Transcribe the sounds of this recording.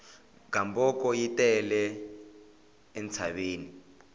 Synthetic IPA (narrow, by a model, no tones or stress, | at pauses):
ɡ̥ambɔkɔjitɛlɛ | nt͡sʰaɓeːni